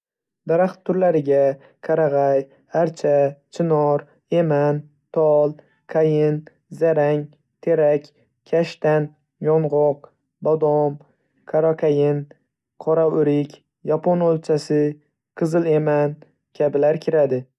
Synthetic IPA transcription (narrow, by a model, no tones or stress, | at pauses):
d̪aɾaχt̪ʰːʊɾlaɾɪɡʲa | qʰaɾaʁɑj | aɾt͡ʃʰat͡ʃʰɪnɒɾ | e̞man | t̪ʰɒlˠ | kʰajɪn | zaɾaŋ | t̪ʰe̞ɾakʲ | kʲʰaʃt̪an | jɒnʁɒq̚ | bɒd̪ɒm | kʰaɾakʲʰajɪn | qʰɒɾaʊɾɪkʲ | japʰɒnolt͡ʃʰasɪ | qʰɨzɨle̞man | kʲʰabɪlaɾkʲʰɪɾad̪ɪ